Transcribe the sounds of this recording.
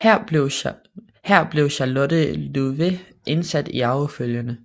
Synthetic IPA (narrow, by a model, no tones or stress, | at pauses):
hæɐ̰bʊ | hæɐ̰b̥le̝ʊɕɑlɔd̥əluʋe | ʔe̝nsæd̥iɑ̈ʊəføljənə